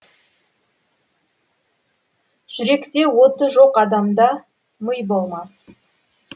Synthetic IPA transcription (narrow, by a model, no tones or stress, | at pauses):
ʒ̥ʏɾe̞kt̪e̞wo̞t̪əʒo̞qɑd̪ɑmd̪ɑ | məjbo̞lˠmɑs